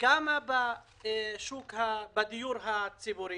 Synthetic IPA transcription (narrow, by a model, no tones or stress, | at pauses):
kamaba | ʃuːkhabad̪ijuːɾɦat͡sibuɾi